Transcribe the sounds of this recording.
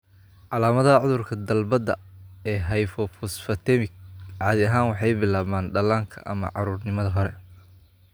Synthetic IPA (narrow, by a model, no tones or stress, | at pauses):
ʕɑlaːmɐðɐɐʕʊðʊrkʰɐd̪ɐlbɐd̪ɐɛːɦɐjfɔfɔsfɐt̪ʰɛmɪkʕɑːðɪɐɦaːnwɑħɑjbɪlaːmaːnɖɐlaːŋkʰɐ̰ʔɐmɐ̰ʕɑɾuːrnɪmɐðɐɦɔɾɛ